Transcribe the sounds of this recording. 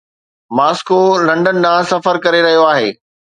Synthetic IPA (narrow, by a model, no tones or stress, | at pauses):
maːskolɐ̃ɳɖənɪ̆ɗãːsɐfəɾkɐɾeɾɐɦijoaːɦeː